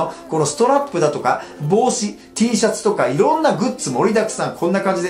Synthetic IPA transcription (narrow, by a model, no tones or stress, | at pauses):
oko̞no̞sɨ̥t̪o̞ɾapːɯ̟d̪at̪o̞ka̰bo̞ːɕi | t̪ʲiːɕat͡sɨ̥t̪o̞kaiɾõ̞nːaɡɯ̟t͡sɨmo̞ɾʲid̪akɯ̥sãŋkʰõ̞nːakãɲ̟d͡ʑid̪